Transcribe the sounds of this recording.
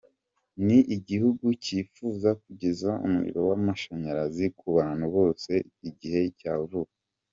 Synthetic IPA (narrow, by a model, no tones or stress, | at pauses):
niʔiɟihuɡuciːfuːzakuɟezaṵmuḭɾo̞wamaʃaɲaɾazikuβaːn̥huβo̞ːse̞ | iɟihe̞caːvuka